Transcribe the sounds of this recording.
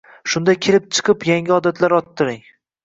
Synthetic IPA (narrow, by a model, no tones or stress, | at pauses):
ʃʊnd̪ajkʲʰelɪp̚t͡ʃʰɨ̥qʰɨpjaŋʲɪɒd̪at̪ʰlaɾɒt̪ʰːɪɾɪŋ